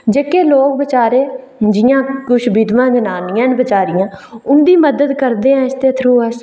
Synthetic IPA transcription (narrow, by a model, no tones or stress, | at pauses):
d͡ʒeːkeːloːk̚bət͡ʃaːɾeː | d͡ʒɪjãːkʊʃbɪd̪ʋãːd͡ʒənaːnɪjãːnbət͡ʃaːɾɪjãːʊnd̪iːməd̪əd̪kəɾd̪eːɛ̃ːɪst̪eːt̪ʰɾuːəs